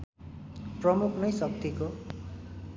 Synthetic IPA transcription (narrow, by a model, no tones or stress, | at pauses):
prʌmukʰnʌjsʌk̚t̪iko